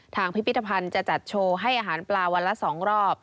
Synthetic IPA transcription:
t̪ʰaː˧ŋpʰi˦˥pʰːi˦˥t̪ʰːa˧pʰa˧nt͡ɕa˨˩t͡ɕa˨˩t̪̚t͡ɕʰoː˧ɦa˥˩jʔaː˧ɦaː˩˦nplaː˧wa˧nla˦˥sɔː˩˦ŋɾɔː˥˩p̚

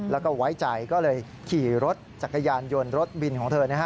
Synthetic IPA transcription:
lɛː˦˥wkɔː˥˩wa˦˥jt͡ɕa˨˩jkɔː˥˩lɤː˧j | kʰiː˨˩ɾo˦˥t̪̚t͡ɕa˨˩kːa˧jaː˧njo˧nɾo˦˥t̪̚wi˧nkʰɔː˩˦ŋt̪ʰɤː˧na˦˥˩kʰa˦˥

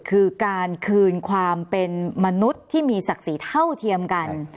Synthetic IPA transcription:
kʰɯː˧kaː˧nkʰɯː˧nkʰwaː˧mpe˧nma˧nu˦˥t̪ʰːiː˥˩miː˧sa˨˩k̚siː˩˦t̪ʰa˥˩wt̪ʰi˧əmka˧n

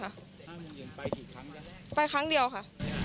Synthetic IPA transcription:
a˥˩ʔ | pa˧jkʰa˦˥ŋdi˨˧əwkʰa˥˩ʔ

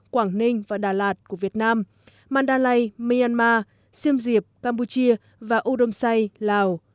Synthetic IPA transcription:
kwaː˧˩ŋnï˧ŋ̟vaː˨˩ɗaː˨˩laː˨˩t̚ku˧˩əvi˨˩ət̚naː˧m | maː˧˩nɗaː˧la˧jmi˧aː˧nmaː˧ | si˧əmzi˨˩əp̚kaː˧mpu˧t͡ɕi˧ə | vaː˨˩ʔo˧ɗo˧msa˧jlaː˨˩w

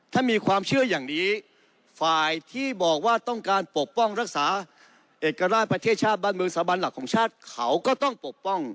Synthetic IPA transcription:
t̪ʰaː˥˩miː˧kʰwaː˧mt͡ɕʰɯ˥˩ɐjaː˨˩ŋniː˦˥ | faː˨˩jt̪ʰiː˥˩bɔː˨˩k̚waː˥˩t̪ɔ˥˩ŋkaː˧npo˨˩k̚pɔ˥˩ŋɾa˦˥k̚saː˩˦ | ʔeː˨˩kːa˧ɾaː˥˩pɾa˧t̪ʰeː˥˩t̪̚t͡ɕʰaː˥˩t̪̚baː˥˩nmɯː˧ŋsaː˩˦ba˧nla˨˩kʰːɔː˩˦ŋt͡ɕʰaː˥˩t̪̚kʰa˩wkɔː˥˩t̪ɔ˥˩ŋpo˨˩k̚pɔ˥˩ŋ

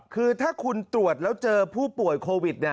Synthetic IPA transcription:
kʰɯː˧t̪ʰaː˥˩kʰu˧nt̪ɾu˨˩ət̪̚lɛː˦˥wt͡ɕɤː˧pʰuː˥˩pu˨˩əjkʰoː˧wi˨˩t̪̚na˦

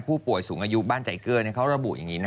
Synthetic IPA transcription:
pʰuː˥˩pu˨˩əjsuː˩˦ŋʔaː˧ju˧˥ɓaː˧˩nt͡ɕa̰ː˨˦jkɯ˧ən˧˩kʰa˧˥˩wɾa˧ɓṵ˨˩t̚ja̰˨˩ŋiː˨˦n˧

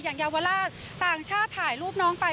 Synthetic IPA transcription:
jaː˨˩ŋjaː˧wa˧laː˥˩ | t̪aː˨˩ŋt͡ɕʰaː˥˩t̪ʰːaː˨˩jluː˥˩p̚nɔː˦˥ŋpa˧

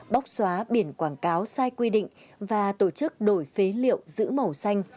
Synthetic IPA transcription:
ɓa˦˥wk͡p̚swaː˨˦ɓi˧˩ənkwaː˧˩nkaː˨˦wsaː˧jkwi˧ɗḭ˧˨ŋ̟ | vaː˨˩t̪o˧˩t͡ɕɨ˦˥k̚ɗo˧˩jfe˨˦lḭ˧˨əwzɨ̰˧˥mə˨˩wsa˧jŋ̟

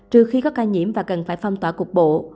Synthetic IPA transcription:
t͡ɕɨ˧˩əxi˧kɔ˨˦kaː˧ɲḭ˧˥əmvaː˨˩kə˨˩nfaː˧˩jfa˧wŋ͡mt̪waː˧˩ku˨˩k̚ɓo̰˧˨

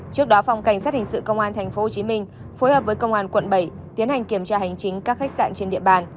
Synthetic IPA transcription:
t͡ɕɨ˦˥ək̚ɗɔ˨˦fa˧wŋ͡mka˧˩jŋ̟saː˦˥t̚hï˨˩ŋ̟sɨ̰˧˨kə˧wŋ͡mʔaː˧nt̪ʰa˨˩jŋ̟fo˨˦o˨˩t͡ɕi˨˦mï˧ŋ̟ | fo˨˦jhəː˨˩p̚vəː˨˦jkə˧wŋ͡mʔaː˧nkwə̰˧˨nɓə˧˩j | t̪i˨˦ənha˨˩jŋ̟ki˧˩əmt͡ɕaː˧ha˨˩jŋ̟t͡ɕï˨˦ŋ̟kaː˦˥k̚xa˦˥k̟̚sa̰ː˧˨nt͡ɕe˧nɗḭ˧˨əɓaː˧n

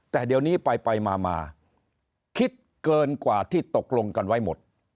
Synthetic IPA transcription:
t̪ɛː˨˩di˧əwniː˦˥pa˧jpa˧jmaː˧ma̰ː˧ | kʰi˦˥t̪̚ | kɤː˧nkwaː˨˩t̪ʰiː˥˩t̪o˨˩k̚lo˧ŋka˧nwa˦˥˩jmo˨˩t̪̚

